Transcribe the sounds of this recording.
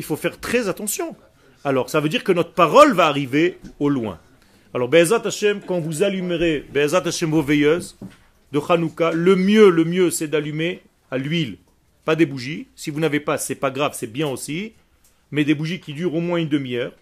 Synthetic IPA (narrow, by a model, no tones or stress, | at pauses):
ilfofɛʁt̪χɛzat̪ɑ̃sjɔ̃ | alɔʁsavød̪iʁkənɔt̪χəpaʁɔlvaːʁiveolwɛ̰̃ | alɔʁbeɛzʁat̪aʃɛmkɑ̃vuzalymʁebeːzʁat̪aʃɛmvovɛjøz | d̪əχanukaləmjøləmjøsɛd̪alyme | alɥil | pad̪ebuʒisivunavepasɛpaɡʁavsɛbjɛ̃osi | mɛd̪ebuʒikʲid̪yʁomwɛ̃ynd̪əmijœːʁ